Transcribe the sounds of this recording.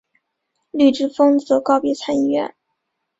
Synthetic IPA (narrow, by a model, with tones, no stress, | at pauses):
ly˥˩ʈ͡ʂɻ̩˥˩fɤ˥ŋt͡sɤ˧˥kɑ˥˧ʊpjɛ˧˥t͡sʰa˥ni˥˧ɥɛ̰˥˩n